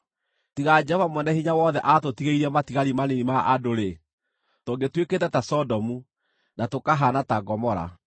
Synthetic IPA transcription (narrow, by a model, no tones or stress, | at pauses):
tiɣad͡ʒɛovamwɛnɛhiɲawɔðɛʔatotiɣeiɾɛmatiɣaɾimanenimaʔadoɾe | toːŋɡetweketɛtasɔdɔmu | natokaɦanataɡɔmɔɾa̰